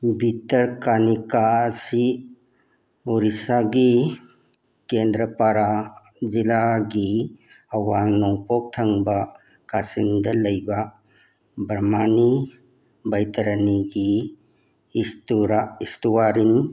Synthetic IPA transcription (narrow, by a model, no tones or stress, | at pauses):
bitɐɾkanikaɐsi | uɾisaɡi | kendɾɐpaɾa | zilaɡi | ɐwaŋnɔŋpɔk̚tʰɐŋbɐ | kasiŋdɐlɐjbɐ | bɾmani | bɐjtɐɾɐniɡiː | stuɾaistuwaɾin